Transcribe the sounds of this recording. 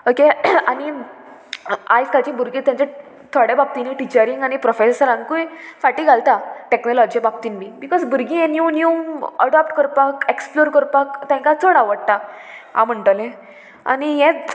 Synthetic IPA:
okeani | ajskat͡ɕĩbʱuɾɡit̪jãɲt͡ɕa | t̪ʰɔɽebab̚t̪iniʈit͡ɕəɾiŋɡaɽ̃ipɾɔfesəɾãnkujfaʈiːɡʱalt̪aʈeknɔlɔd͡ʑiebab̚t̪inmibikɔzbuɾɡĩenjunjumə̰ɽɔp̚ʈkəɾpakeksploɾkəɾpakt̪ãŋkat͡s̪ʰoɽaʋəɽ̚t̪a | a̰m̤əɳʈlẽ | a̰niɦɛ̃

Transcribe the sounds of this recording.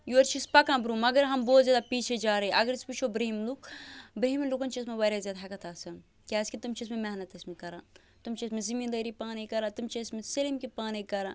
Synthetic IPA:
juɐɾt͡ʃispɐkãːbɾumɐɡəɾɦɐmboːt̪zʲjaːd̪apiːt͡ʃʰed͡ʒaːɾɐeʔɐɡəɾisput͡ʃʰobɾɐɦimluk̚bɾɐɦimlukɐnt͡ʃiɐsmẽʋɐɾazjaːd̪aɦɐkɐt̪ʰaːsɐ | kʲaːskit̪umt͡ʃismẽmɛɦnɐt̪ɐsmẽkɐɾãː | t̪umt͡ʃismezimiːnd̪ɐɾipaːnikɐɾãːt̪umt͡ʃɐsmẽselimkipaːnekɐɾãː

